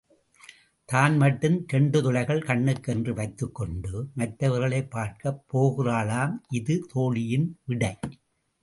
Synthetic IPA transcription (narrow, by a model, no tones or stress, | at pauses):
t̪aːnmɐʈːɯmt̪ɛɳɖɯt̪ʊlɐɪɣɐɭkɐɳːɯkːɛndrɯʋɐɪt̪ːɯkːɔɳɖɯmɐt̪ːɐʋɐɾɣɐɭeɪpːaːɾkɐpːoːɣɪraːlaːmʔɪðɯt̪ʰoːɭɪjɪnʋɪɽɐɪ